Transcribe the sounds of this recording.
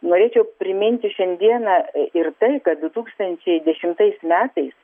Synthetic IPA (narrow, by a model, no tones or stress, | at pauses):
noːɾʲeːt͡ʃʲɛʊpʲɾʲɪmʲɪnʲt̪ʲɪʃʲɛnʲd̪ʲiɛnɐɪrt̪ɐɪkɐt̪̚d̪ʊt̪uːkst̪ɐnʲt͡ʃʲɛɪd̪ʲɛʃʲɪmt̪ɐɪsmʲæːt̪ɐɪs